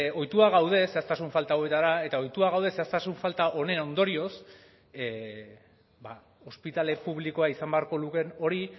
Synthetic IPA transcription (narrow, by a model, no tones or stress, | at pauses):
o̞jt̪uaɣawð̞e̞seast̪asuɱfalt̪aowe̞t̪aɾae̞t̪ao̞jt̪uaɣawð̞e̞se̞ast̪asuɱfalt̪aʔo̞ne̞no̞nd̪o̞ɾio̞s | ba | o̞spit̪ale̞puβliko̞aisambe̞aɾko̞luke̞no̞ɾi